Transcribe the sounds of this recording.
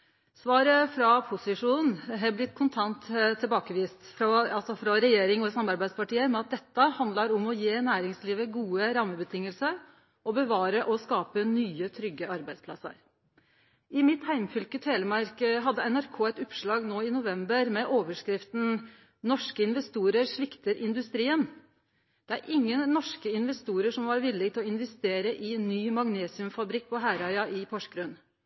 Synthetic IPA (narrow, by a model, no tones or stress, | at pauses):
sʋɑːɾəfɾɑpʰʊsɪʂuːnn̩ɦɛblɪt̪ːkʰʊnt̪ʰɑnt̪t̪ʰːɪlbɑːkəʋiːst̪fɾɑɑlsɔfɾɑɾɛjeːɾɪŋɔsɑmɑɾbæɪd̪spɑʈiːəɾmɛɑt̪̚d̪ɛt̪ːəhɑnd̪ləɾɔmɔjeːnæːɾɪŋsliːʋəɡuːəɾɑmːəbət̪ʰɪŋːəlsəɾ | ɔbəʋɑːɾəʔɔskɑːpənyːət̪ʰɾʏɡːəɑɾbæɪd̪spʰlɑsə̰ɾ | ɪmɪt̪hæɪmfʏlkət̪heːləmɑɾkəɦɑd̪ːəɛnæɾkʰoːæɪt̪ɔpʂɭɑːɡnoːɪnʊʋɛmbəɾmɛʔoːʋəʂkɾɪft̪n̩ | nɔʂkəɪnʋɛst̪uːɾəɾʂʋɪkt̪əɾʔɪnd̪ʉst̪ɾiːən | d̪̥ɛæɾʔɪŋːənːɔʂkəɪnʋɛst̪uːɾəʂɔmʋɑɾʋɪlːɪɡt̪ʰɪlɔɪnʋɛst̪eːɾəʔɪnyːmɑŋneːsɪʉmfɑbɾɪk̚ːpʰɔɦæɾɑɪɑʔɪpʰɔʂɡɾʉn